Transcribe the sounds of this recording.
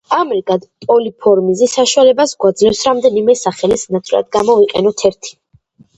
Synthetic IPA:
amɾɡad̪pʼɔlipʰɔɾmizɛsaʃualɛbasɡwad̪zlɛfsɾamd̪ɛnimɛsaχɛlisnat̪sʼɾa̰d̪̚ɡamɔviqʼɛnɔt̪ʰɛɾt̪ʰi̥

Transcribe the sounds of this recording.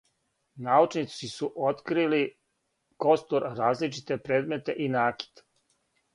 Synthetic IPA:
naut͡ʃnit̪sisuʔot̪kɾili | ko̞st̪oɾɾaːzlit͡ʃit̪e̞pɾeːd̪me̞t̪e̞ʔinaːki̥t̪

